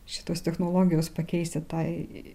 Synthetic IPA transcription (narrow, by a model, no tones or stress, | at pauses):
ʃʲɪ̥t̪oːst̪ʲɛxnoːlˠoːɡʲɪjoːspɐkʲɛɪsʲt̪ʲɪt̪ɑɪ